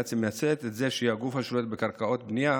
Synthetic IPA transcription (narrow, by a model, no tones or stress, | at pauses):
t͡simejat͡set̪et̪zeʃeihaɡufhaʃlet̪bekaʁkao̞t̪bnija